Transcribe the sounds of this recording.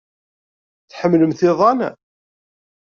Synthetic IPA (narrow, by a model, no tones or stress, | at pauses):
θħəmːləmθɪðˤɑna̰